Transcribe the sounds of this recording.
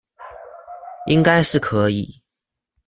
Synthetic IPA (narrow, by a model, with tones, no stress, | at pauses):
i˦˥ŋka˥ɪʂɻ̩˥˩kʰɤ˧˥ḭ˨˩˦